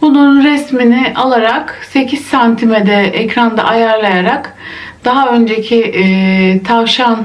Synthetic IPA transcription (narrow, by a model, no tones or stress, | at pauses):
bununnɾɛsminɪʔalˠaɾakse̞cʰiz̥sant̪ʰimed̪ɛɛcɾand̪a̰ʔajaɾlˠajaɾak | d̪̥aɦaø̞nd͡ʒecʰi | t̪ʰavʃan